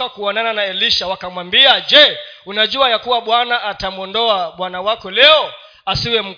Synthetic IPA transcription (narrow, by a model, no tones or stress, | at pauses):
akuɔnananaɛliʃawakamwambiad͡ʒɛ | unaʄuajakuwaɓwanaʔatamuɔndɔaɓwanawakɔlɛɔ | asiwɛm̩